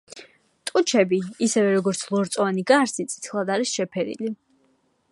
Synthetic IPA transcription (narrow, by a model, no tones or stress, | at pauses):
t̪ʼut͡ʃʰɛbiːsɛvɛɾɔɡɔɾt̪sʰlˠɔɾt̪sʼɔaniɡaɾsit̪sʼi̥t̪sʰχlˠad̪aɾisʃɛpʰɛɾḭli